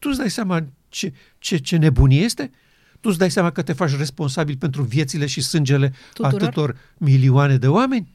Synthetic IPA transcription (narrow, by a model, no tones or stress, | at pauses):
t̪ut̪sd̪ajsama | t͡ʃe̞ | t͡ʃe̞t͡ʃe̞ne̞bunje̞st̪e̞ | t̪ut̪sd̪ajsjamakət̪e̞fat͡ʃ̬ʲre̞spo̞nsabilpe̞nt̪ɾuvje̞t̪sile̞ʃisɨnd͡ʒe̞le̞ | aɨt̪o̞r | milioane̞d̪e̞oame̞nʲ